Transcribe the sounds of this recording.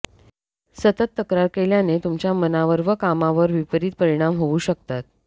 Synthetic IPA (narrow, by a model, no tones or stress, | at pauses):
sət̪ət̪ːəkɾaɾkeljanet̪umt͡ɕjamənaʋəɾʋəkamaʋəɾʋipəɾiːt̪̚pəɾiɽ̃amɦouɕəkt̪at̪̚